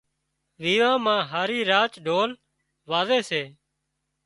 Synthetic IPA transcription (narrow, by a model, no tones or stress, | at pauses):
ʋiːʋãːmãːɦaːɾiːɾaːt͡ʃɖʱoːl | ʋaːzeːseː